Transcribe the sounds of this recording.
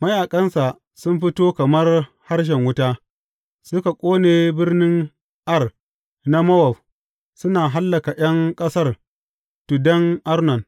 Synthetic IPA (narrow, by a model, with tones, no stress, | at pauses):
mɐ˦jaː˨kʼɐ˦nsa˨ | sʊ˦mɸɪ˦toː˦kɐ˨mɐ˦r | ha˦rʃ̬ɛ˨ŋwʊ˦taː˦ | sʊ˦ka˨kʷʼoː˦neː˨bɪ˦rnɪ˦ŋ | ʔɐ˦˨r | na˦mɐ˦wɐ˨ɸ | sʊ˦naː˨ɦa˦lːɐ˨ka˨j̰ɐ˦ŋkʼɐ˦sɐ˦r | tu˨dɐ˦ŋʔa˦rnɔ˨n